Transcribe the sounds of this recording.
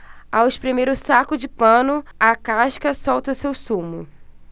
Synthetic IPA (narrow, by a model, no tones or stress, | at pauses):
awspɾimejɾʊsakʊd͡ʒɪpɐ̃nʊɐkaʃkɐsɔwt̪ɐsewsũmʊ̰